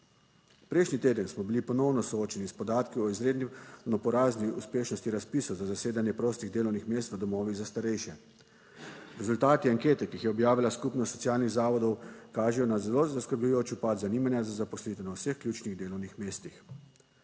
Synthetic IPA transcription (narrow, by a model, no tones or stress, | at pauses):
pɾɛjʃnit̪eːd̪ənsmɔbilipɔnɔwnɔsɔoːt͡ʃɛnispɔd̪aːt̪kiɔizɾeːd̪ninɔpɔɾaːzniuspeːʃnɔst̪iɾaspisɔwzazaseːd̪anjɛpɾoːst̪iɣd̪eːlɔwnixmeːst̪ʋəd̪ɔmɔːʋiɣzast̪aɾɛjʃɛ | ɾɛzult̪aːt̪iaŋkeːt̪ɛkixjɛɔbjaːʋilaskupnɔst̪ːɔt̪sijaːlniɣzaːʋɔd̪ɔwkaːʒɛjɔnazɛlozaskəɾblujoːt͡ʃupat̪zaniːmanjazazapɔslit̪ɛnawsəxklʲjut͡ʃniɣd̪eːlɔwnixmeːst̪ix